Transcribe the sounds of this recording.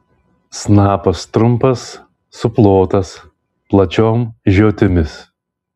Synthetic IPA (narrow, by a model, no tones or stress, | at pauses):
snɑːpɐst̪ɾʊmpɐsː | ʊplˠoːt̪ɐs | plˠɐt͡ʃʲoːmʒʲoːt̪ʲɪmʲɪs